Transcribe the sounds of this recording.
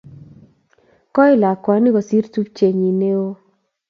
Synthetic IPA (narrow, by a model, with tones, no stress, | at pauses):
kɔ˦ɪ˦la˨kwa˨˦nɪ˦kɔ˨si˦ɾtu˦pt͡ʃe˨ɲi˨ne˦o˦